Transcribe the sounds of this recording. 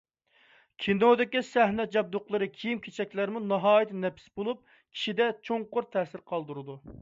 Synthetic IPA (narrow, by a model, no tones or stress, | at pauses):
kʲʰinod̪ɪkʲisæɦnɛd͡ʒɑb̚d̪oqlˠəɾɨkʲʰijimkʲʰet͡ʃʰɛkʲlæɾmunɑɦɑːjit̪ʰɪnɛpsbolˠup̚ | kʲʰi̥ʃid̪ɛt͡ʃʰoŋqʊɾt̪ʰɛːsɪɾqʰɑlˠd̪uɾɨd̪u